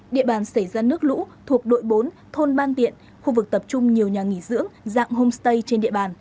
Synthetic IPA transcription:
ɗḭ˧˨əɓaː˨˩nsə˧˩jzaː˧nɨ˦˥ək̚lṵ˧˥t̪ʰu˨˩ək̚ɗo̰˧˨jɓo˨˦n | t̪ʰo˧nɓaː˧nt̪ḭ˧˨ən | xu˧vɨ˨˩k̚t̪ə˨˩p̚t͡ɕʊ˧ŋ͡mɲi˨˩əwɲaː˨˩ŋi˧˩zɨ̰˧˥əŋza̰ː˧˨ŋho˧mst̪ə˧jt͡ɕe˧nɗḭ˧˨əɓaː˨˩n

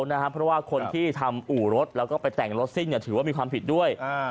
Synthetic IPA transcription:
na˦˥kʰa˦˥pʰɾɔ˦˥waː˥˩kʰo˧nt̪ʰiː˥˩t̪ʰa˧mʔuː˨˩ɾo˦˥t̪̚lɛː˦˥wkɔː˥˩pa˧jt̪ɛ˨˩ŋɾo˦˥t̪̚si˥˩ŋni˧˩t̪ʰɯː˩˦waː˥˩miː˧kʰwaː˧mpʰi˨˩t̪̚du˥˩əj

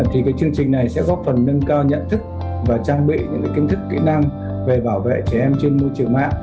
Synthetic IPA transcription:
t̪ʰi˨˩kaː˨˦jt͡ɕɨ˧əŋt͡ɕï˨˩ŋ̟na˨˩jsɛ̰˧˥kɔ˨˦fə˨˩nːə˧nkaː˧wɲə̰˧˨nt̪ʰɨ˦˥k̚ | vaː˨˩t͡ɕaː˧ŋɓḭ˧˨ɲɨ̰˧˥ŋka˨˦ki˧ŋ̟t̪ʰɨ˦˥kːḭ˧˥na˧ŋ | ve˨˩ɓaː˧˩wvḛ˧˨t͡ɕɛ˧˩ʔɛ˧mt͡ɕe˧nmo˧jt͡ɕɨ˨˩əŋma̰ː˧˨ŋ

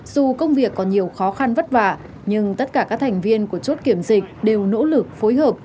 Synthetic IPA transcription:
z̥u˨˩kə˧wŋ͡mvi˨˩əkːɔ˨˦nɲi˨˩əwxɔ˨˦xa˧nvə˦˥t̚va̰ː˧˨ | ɲɨ˧ŋt̪ə˦˥t̚kaː˧˩kaː˦˥k̚t̪ʰa˨˩ŋ̟vi˧ənku˧˩ət͡ɕo˦˥t̚ki˧˩əmzï˨˩k̟̚ɗe˨˩wno̰˧˥lɨ˨˩k̚fo˨˦jɦəː˨˩p̚

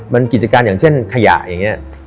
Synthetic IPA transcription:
ma˧nki˨˩t͡ɕa˧kaː˧njaː˨˩ŋt͡ɕʰe˥˩nkʰa˧ja̰˨˩ʔja˨˩ŋːni˦˥ɐ

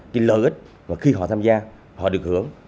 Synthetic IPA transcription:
kaː˨˦jləː˧˨˩jʔi˦˥k̟̚ | vaː˨˩xi˧ɦɔ̰˧˨t̪ʰaː˧mzaː˧ | hɔ̰˧˨ɗɨ˨˩ək̚hɨ̰˨˦əŋ

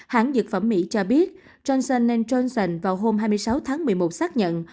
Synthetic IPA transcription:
ha̰ː˧˩˦ŋzɨ˨˩k̚fə˧˩mːḭ˧˥t͡ɕɔ˧ɓi˦˥ət̚ | t͡ɕɔ˧nsə˧nːe˧nt͡ɕɔ˧nsə˧nvaː˨˩wɦo˧mɦaː˧jmɨ˧jsa˨˦wt̪ʰaː˨˦ŋmɨ˨˩əmo˨˩t̚saː˦˥k̚ɲə̰˧˨n

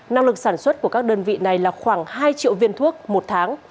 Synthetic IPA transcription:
na˧ŋlɨ˨˩k̚saː˧˩nswə˦˥t̚ku˧˩əkaː˦˥k̚ɗəː˧nvḭ˧˨na˨˩jlaː˨˩xwaː˧˩ŋhaː˧jt͡ɕḭ˧˨əwvi˧ənt̪ʰu˦˥ək̚mo˨˩t̚t̪ʰaː˨˦ŋ

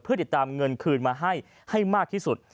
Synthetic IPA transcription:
pʰɯ˥˩t̪i˨˩t̪ːaː˧mŋɤ˧nkʰɯː˧nmaː˧ɦa˥˩j | ha˥˩jmaː˥˩k̚t̪ʰiː˥˩su˨˩t̪̚

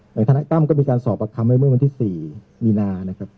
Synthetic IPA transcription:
ja˨˩˦t̪ʰa˧a˦˥t̪a˥˩mkɔː˥˩miː˧kaː˧nsɔː˨˩˦p̚ːa˧kʰa˧mːa˥˩mɯ˥˩wa˧nt̪ʰi˥˩siː˨˩ | miː˧naː˧na˦˥kʰa˦˥p̚

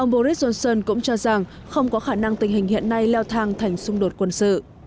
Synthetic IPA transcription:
ʔə˧wŋ͡mɓo˧ɾi˦˥t̚zo˧nsəː˧nkʊ̰˧˥ŋ͡mt͡ɕɔ˧za˨˩ŋ | xə˧wŋ͡mkɔ˨˦xaː˧˩na˧ŋt̪ï̟˨˩ɦï˨˩ŋ̟hḭ˧˨ənːa˧jlɛ˧wt̪ʰaː˧ŋt̪ʰa˨˩jŋ̟sʊ˧ŋ͡mɗo˨˩t̚kwə˧˩nsɨ̰˧˨

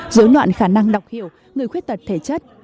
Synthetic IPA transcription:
zəː˨˦jlwa̰ː˧˨nxaː˧˩na˧ŋɗa˨˩wk͡p̚hi˧˩əw | ŋɨ˨˩əjkxwt̚t̪ə˨˩t̚t̪ʰe˧˩t͡ɕə˦˥t̚

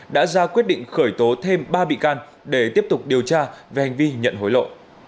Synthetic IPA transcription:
ɗa̰ː˧˥zaː˧kwi˦˥ət̚ɗḭ˧˨ŋ̟xəː˧˩jt̪o˨˦t̪ʰe˧mɓaː˧ɓḭ˧˨kaː˧n | ɗe˧˩t̪i˦˥əp̚t̪ʊ˨˩k͡p̚ɗi˨˩əwt͡ɕaː˧ve˨˩ha˨˩ŋ̟vi˧ɲə̰˧˨nɦo˨˦jlo̰˧˨ʔ

